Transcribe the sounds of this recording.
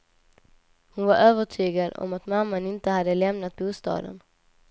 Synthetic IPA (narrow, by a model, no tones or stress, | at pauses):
hʊnvaɾʔøːvəʈʰyːɡad̪ɔ̰mat̪mamːanɪnt̪əhad̪ːəlɛmnat̪̚buːst̪ɑ̰ːd̪ə̰n